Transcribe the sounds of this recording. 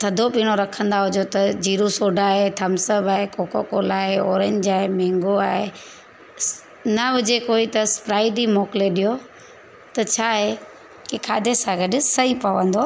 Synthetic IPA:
t̪ʰɐd̪ʱopiːɽ̃oɾɐkʰə̃nd̪aɦʊd͡ʑot̪ɐd͡ʑiːɾusoːɖʱaːɦet̪ʰɐmsəbaːɦekoːkokoːlaːɦeɔːɾə̃ɲd͡ʑaːɦemɛ̃ːŋɡoaːɦe | nɐʋɪd͡ʑekoːit̪ɐspɾaːɪɖimoːkɪleɗijo | t̪ɐt͡ɕʰaːɦe | kekʰaːd̪ʱesãɡɐɖʊsɐɦipɐʋə̃nd̪oː

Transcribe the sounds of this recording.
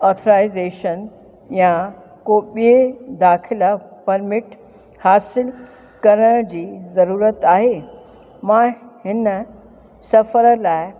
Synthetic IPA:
ɔːɾt̪ʰəɾaːɪzeːʃən | jã | koɓied̪aːxʰɪlapɐɾmɪʈ | haːsɪl | kɐɾəɽ̃d͡ʑiːzɐɾuːɾət̪aːɦeː | mãhɪnə | sɐfəɾəlaːɪ

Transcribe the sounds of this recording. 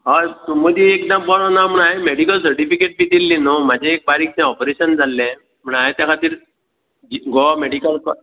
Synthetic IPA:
ɦat̪uməd̪iek̚d̪əmbɔɽɔnam̤əɳaɦemeɽikəls̬əɾʈifikeʈ̚bid̪ilːinom̤ad͡ʑʱẽːk̚baɾik̚t͡sɛ̃ɔpɾeɕənd͡zalːɛ̃ | m̤əɳ̃aɦet̪jãkʰat̪iːɾ | d͡ʑiɡɔmeɽikəlkɔ

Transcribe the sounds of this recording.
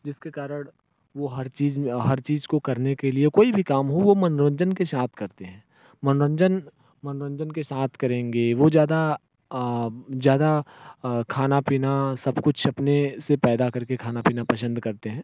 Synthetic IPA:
d͡ʒɪskekaːɾəɽ̃ | ʋoɦɐɾt͡ʃiːzɦɐɾt͡ʃiːzkokɐɾnekeliekoːibʱikaːmɦoʋomɐnɾə̃ɲd͡ʒənkeʃãːt̪ʰkɐɾt̪eɦɛ̃ː | mɐnɾə̃ɲd͡ʒən | mɐnɾə̃ɲd͡ʒənkeʃãːt̪ʰkɐɾẽːŋɡeʋod͡ʒjaːd̪a | zjaːd̪a | kʰaːnapiːnasɐbkʊt͡ʃʰɐpnesepɛːd̪akɐɾkekʰaːnapiːnapɐsə̃nd̪ʱkɐɾt̪eɦɛ̃ː

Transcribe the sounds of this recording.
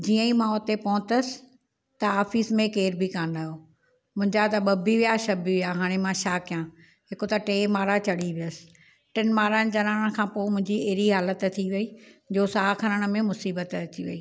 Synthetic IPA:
d͡ʑiːə̃ĩmãʊt̪epɐɦʊ̃t̪əsɪ̥̆ | t̪ɐaːfiːsmẽkeːɾbʱikaːnaːjoː | mʊ̃ɦɪ̃ɲd͡ʑat̪ɐɓɐbʱiʋijaʃɐbiʋijaɦaːɽ̃emãʃaːkɪjãː | ɦɪkot̪ɐʈeːmaːɾat͡ɕɐɽiʋijəsɪ̥̆ | ʈɪnmaːɾənd͡ʑɐnaːɽ̃kʰãːpoːmʊ̃ɦɪ̃ɲd͡ʑiɐɦɾiɦaːlət̪t̪ʰiʋɐiːd͡ʑoːsaːkʰɐɾəɽ̃̆mẽmʊsiːbət̪ɐt͡ɕiʋɐ̰iː

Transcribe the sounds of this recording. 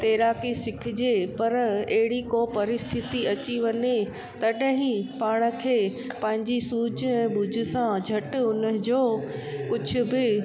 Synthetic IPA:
t̪eːɾaːkisɪkʰɪd͡ʑepɐɾeɦɪɽikopɐɾɪst̪ʰɪt̪iɐt͡ɕiʋɐɲe | t̪ɐɗɦĩpaːɽ̃ə̆kʰeː | pɐ̃ɦɪ̃ɲd͡ʑisuːd͡ʑʱʊɛ̃ːɓʊd͡ʑʱʊ̆sãd͡ʑʱɐʈʊnəd͡ʑoːkʊd͡ʑʱʊ̆bɪ

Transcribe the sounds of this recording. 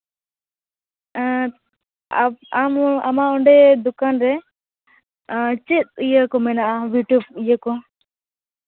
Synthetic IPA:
ama̰maɔɳɖɛd̪ukanɾɛ | t͡ʃit̪̚ijəkɔmɛnaʔabjuʈjub̚ijəkɔ

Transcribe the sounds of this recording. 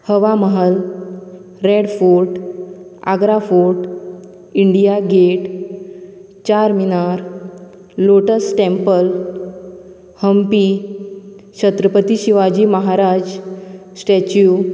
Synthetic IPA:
həʋaməɦəl | ɾeɽfuɾʈ | a̰ɡɾafuɾʈ | iɳɖijaɡeʈ | t͡ɕaɾminaɾ | loʈəsʈẽmpəl | həmpi | ɕʰət̪ɾəpət̪iɕiʋad͡ʑiːməɦaɾad͡zsʈet͡ɕu

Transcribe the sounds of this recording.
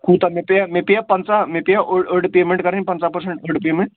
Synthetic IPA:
kuːt̪amepjamepejapənt͡samepijaʔəɽəɾɽpemeɳʈkəɾə̃npənt͡sapəɾseɳʈəɾɽpemẽɳʈ

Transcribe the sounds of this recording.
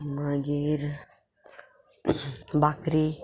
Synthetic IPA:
mãɡeɾ | bakɾi

